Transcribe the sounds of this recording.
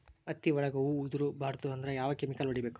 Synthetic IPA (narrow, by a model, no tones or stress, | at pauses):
ɐt̪ːiʋɐɭɐɡɐuud̪uɾubʱaːɾt̪uɐnd̪ɐɾejaːʋɐkemikɐlʋɐɽibe̞ːku̥